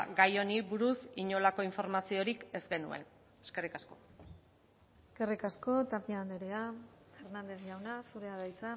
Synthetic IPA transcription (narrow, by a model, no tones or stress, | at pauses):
ɡajo̞niβuɾusiɲo̞lako̞iɱfo̞ɾmasio̞ɾike̞zɡe̞nue̞̰n | eske̞rikasko̞ | eske̞rikasko̞t̪apiand̪eɾeafe̞ɾnand̪e̞sʝawnasuɾe̞aðajt͡sa